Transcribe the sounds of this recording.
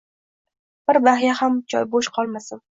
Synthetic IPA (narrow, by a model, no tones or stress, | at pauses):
b̥ɪɾbahjahamt͡ʃʰɒ̰jboʃqʰɒlˠmasɪn